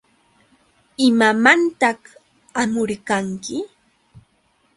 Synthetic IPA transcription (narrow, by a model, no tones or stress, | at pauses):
ɪmamant̪ɑh | amʊɾkaŋkɪ